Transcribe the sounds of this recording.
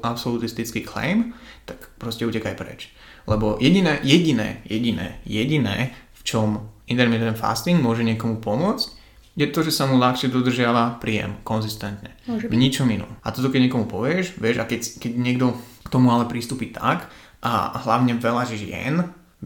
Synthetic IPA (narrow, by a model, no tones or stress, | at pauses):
ʔapsɔlut̪ist̪it͡skiklɛ̰jmt̪akpɾɔscɛuːcɛkajpɾɛ̰t͡ʃ | lɛbɔjɛɟinɛjɛɟinɛ̰ːjɛɟinɛ̰ːjɛɟinɛ̰ːft͡ʃɔmint̪ɛɾmit̪ɔɛnfa̰st̪iŋmʊɔʒɛɲɪɛkɔmupɔmʊɔt͡sc | jɛt̪ɔʒɛsamulaxʃɛd̪ɔd̪r̩ʒɪaʋapɾiːjɛ̰mkɔnzist̪ɛnt̪ɲɛɲit͡ʃɔminɔ̰mat̪ɔt̪ɔkɛɟɲɛkɔmupɔʋɪɛʒʋɪɛʒakɛckɛɟɲɪɛɡd̪ɔ | kt̪ɔmualɛpɾiːst̪uːpit̪ʰa̰k | ʔa̰ɦlaʊɲɛʋɛlaʒɛʒɪɛ̰n